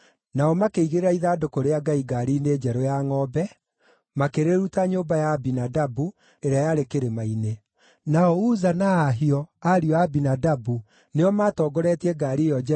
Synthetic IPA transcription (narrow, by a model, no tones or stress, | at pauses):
naɔmakeiɣeɾeɾaiðadokoɾeaɡaiɡaɾined͡ʒɛɾojaŋɔːbɛ | makeɾeɾutaɲoːbajaːbinadabu | eɾeajaɾekeɾemaine | naɔuzanaːɦiɔaɾiɔabinadabu | neɔmatɔːɡɔɾɛtiɛɡaɾijɔɛ